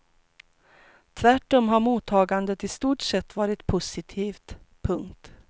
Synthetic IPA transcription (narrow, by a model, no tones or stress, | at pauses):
t̪ʰvæʈːɔmɦaɾmuːt̪ʰɑːɡand̪ət̪ʰɪst̪uːʈʂɛt̪ːvɑːɾɪt̪pʰʊsɪt̪ʰiːft̪pʰɵŋkt̪